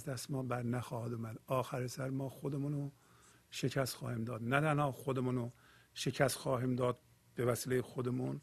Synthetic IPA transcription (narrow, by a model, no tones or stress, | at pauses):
zd̪æst̪mɒːbæɾnæxɒːhæd̪uːmæd̪ɒːxæɾesæɾmɒːxod̪emuno | ʃecʰæst̪χxɒ̰ːhiːmd̪ɒːd̪næt̪ʰænhɒːxod̪emuːno | ʃecʰæst̪xɒːɦiːmd̪ɒːd̪̚ | b̥evæsiːlejexod̪emuːn